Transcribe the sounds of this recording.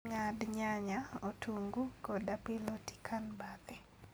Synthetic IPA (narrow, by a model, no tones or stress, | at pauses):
ŋadɲaɲaotʰuŋɡukɔdapiloti̥kʰanbat̪ɛ